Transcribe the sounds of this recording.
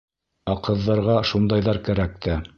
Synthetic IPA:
ɑqɤ̆ðːɑɾʁɑʃund̪ɑjðɑɾkæɾæk̚t̪æ

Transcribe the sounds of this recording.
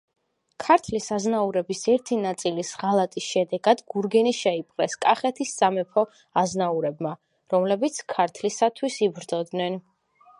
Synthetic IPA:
kʰaɾt̪ʰlisaznauɾɛbisɛɾt̪ʰinat̪sʼilisʁalˠat̪ʼisʃɛd̪ɛɡad̪̥ɡ̥uɾɡɛniʃɛipʼqʼlɛskʼaχɛt̪ʰisːamɛpʰɔ | aznauɾɛbma | ɾɔmlɛbit̪sʰkʰaɾt̪ʰlisat̪ʰwisibɾd̪zɔd̪nɛn

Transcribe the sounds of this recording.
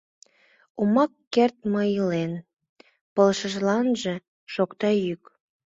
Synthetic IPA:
umɑkːert̪̚məilen | pəlʃəʒlɑnʒe | ʃokt̪ɑjyk

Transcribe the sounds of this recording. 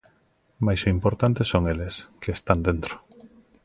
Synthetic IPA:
majsoimpoɾt̪ant̪esːoŋeleskeːst̪and̪ent̪ɾo

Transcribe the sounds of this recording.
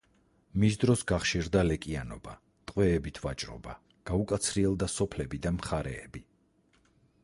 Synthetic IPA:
misd̪ɾɔsɡaχʃiɾd̪alɛkʼianɔba | t̪ʼqʼwɛːbit̪ʰva̰t͡ʃʼɾɔ̰ba | ɡ̥aukʼat̪sʰɾiɛlˠd̪asɔpʰlɛbid̪amχaɾɛːbi

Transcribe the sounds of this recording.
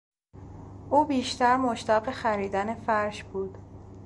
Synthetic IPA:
ʔuːbiːʃt̪ʰæɾmoʃt̪ɒːɢexæɾiːd̪æne̞fæɾʃb̥uːd̪̥

